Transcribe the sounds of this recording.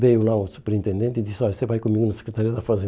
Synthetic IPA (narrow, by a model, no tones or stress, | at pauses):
vejulˠausu̥pɛɾĩnt̪ẽnd̪ẽnt̪id̪isɔʎɐsevajkomiɣunɐsɨ̥kɾt̪aɾiɐd̪ɐfɐzẽ